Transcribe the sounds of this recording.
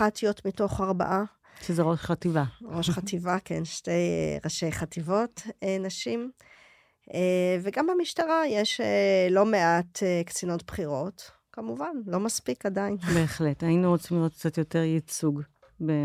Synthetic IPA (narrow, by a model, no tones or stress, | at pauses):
atijotmito̞χaʁba̰ʔa | ʃezeʁo̞ʃχativaʁo̞ʃχativakḛnʃte̞j̰ʁaʃe̞jχativo̞tenaʃim | eveɡamamiʃtaʁajeʃelo̞meatekt͡sinotbχiʁo̞t | kamuvanlo̞maspikadainbeːχletainuʁot͡simliʁotkt͡satjo̞teʁjit͡suɡ | be